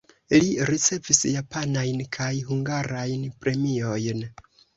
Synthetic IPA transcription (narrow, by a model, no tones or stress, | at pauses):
liɾit͡se̞visjapanajnkʰajhuŋɡaɾajnpɾe̞mio̞jn